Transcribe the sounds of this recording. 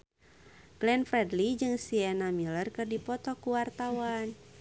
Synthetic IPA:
ɡ̥lɛnfɾɛdlid͡ʒɨŋsiɛnamilərkɨrdipɔt̪ɔkuwart̪awan

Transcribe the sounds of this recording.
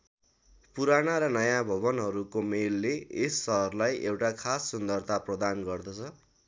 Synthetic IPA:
puɾanaɾʌnʌjãbʱʌβʌnɦʌɾukomelːeesːʌɦʌrlajʔewʈakʰasːʌnd̪ʌrt̪ʰaprʌd̪anɡʌrd̪ʌt͡sʰʌ

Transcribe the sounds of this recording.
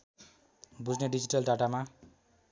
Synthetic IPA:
bud͡zneɖid͡ziʈʌlɖaʈama

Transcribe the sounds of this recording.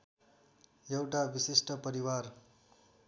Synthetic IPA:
jewʈabisisʈʌpʌɾiwar

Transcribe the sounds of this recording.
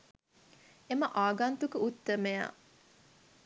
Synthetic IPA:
eməʔaːɡant̪ukəut̪ːəmeja̰

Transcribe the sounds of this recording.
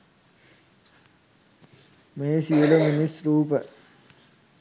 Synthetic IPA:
meːsiuləminisɾuːpə

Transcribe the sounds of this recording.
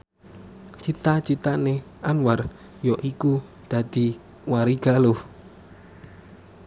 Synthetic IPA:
t͡ʃit̪at͡ʃit̪ane | ʔanwar | jɔʔikud̪̥ä̤d̪̥i̤ | waɾiɡ̥a̤loh

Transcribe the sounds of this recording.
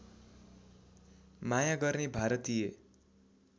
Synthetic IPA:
majaɡʌrnebʱaɾʌt̪ije

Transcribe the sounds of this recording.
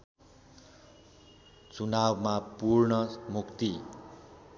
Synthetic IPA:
t͡sunabmapurnʌmukt̪i

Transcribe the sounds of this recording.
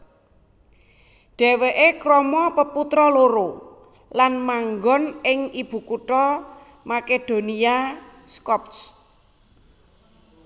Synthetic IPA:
ɖ̥ɛ̤weʔekɾɔmɔpəput̪ɾɔloɾo | lanmaŋɡɔnɪŋib̥ṳkuʈɔ | maked̪̥o̤niaskɔp̚s

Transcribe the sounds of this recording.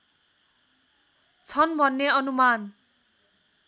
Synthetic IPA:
t͡sʰʌnbʱʌnːeʌnuman

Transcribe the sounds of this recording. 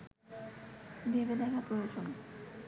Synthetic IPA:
bebed̪ɛkʰapɾojod͡ʑon

